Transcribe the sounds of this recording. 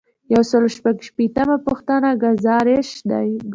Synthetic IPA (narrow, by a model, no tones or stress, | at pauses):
jawsəloʃpaɡʃpet̪amapuxt̪anaɡazɑɾeʃd̪a̰j